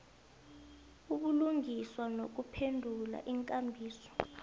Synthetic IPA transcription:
uɓuluŋiswanok̬upʰendʱula̰ʔiŋkʼambʱiːsɔ̥

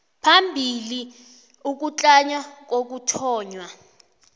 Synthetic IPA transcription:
pʰambʱili | uk̬ut͡ɬʼaɲwak̬ok̬utʰɔːɲwa

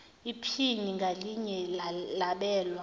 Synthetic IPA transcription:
ipʰiniŋɡʱaliɲɛlaɓɛːlwa

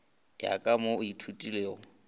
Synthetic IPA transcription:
ja̰kʼamoʊitʰutʼile

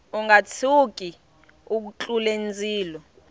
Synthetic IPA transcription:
uŋɡat͡sʰuk̬ʼi | uk̬ut͡ɬʼulend͡zʱʼiːlɔ

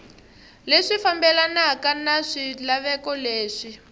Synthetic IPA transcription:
leʂifambɛlanakanaʂilaβɛkɔleːʂi

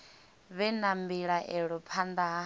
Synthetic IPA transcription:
βɛnambiɺaʔɛɺɔpʰand̪a

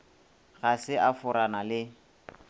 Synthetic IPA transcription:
ɣasɪʔafʊɾanalɪ

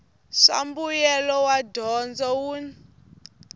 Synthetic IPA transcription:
ʂa̰mbujɛlɔwadʱɔnd͡zɔwun

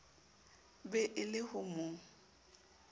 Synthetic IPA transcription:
bɛʔɪlɪhʊmʊ

